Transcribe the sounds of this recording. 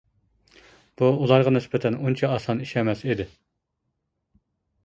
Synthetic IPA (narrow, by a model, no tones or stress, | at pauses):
b̥uulˠɑɾʁɑnɪsbɛt̪ʰɛnunt͡ʃʰɑɑsɑniʃɛmɛsid̪ɪ